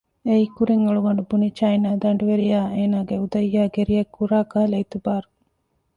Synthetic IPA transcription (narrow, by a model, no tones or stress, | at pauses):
eikuɾiŋɐɭuɡɐɳɖubunit͡ʃɐinaːd̪ɐɳɖuʋeɾijaːʔeːnaːɡeud̪ɐjːaːɡeɾijɐkːuɾaːɡaːleit̪ubaːɾu